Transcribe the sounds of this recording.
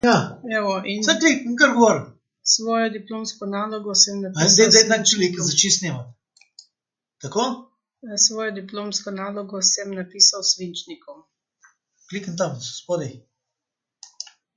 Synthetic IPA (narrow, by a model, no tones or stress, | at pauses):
jaɛʋɔʔinsaklikiŋkaɾɡɔʋɔɾm | sʋɔːjɔd̪iploːmskɔnaːlɔɡɔsɛmnapaɛd̪ejt̪ak̚t͡ʃilikazɐt͡ʃisnemat̪ | t̪ɐko | sʋɔːjɔd̪iploːmskɔnaːlɔɡɔsɛmnapiːsawsʋint͡ʃnikɔm | klikənt̪amsospoːd̪ɛj